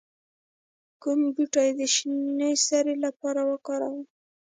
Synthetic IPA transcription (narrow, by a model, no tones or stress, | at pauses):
kumbuʈɑjed̪əʃinəsaɾelapɑɾawəkɑɾa̰wi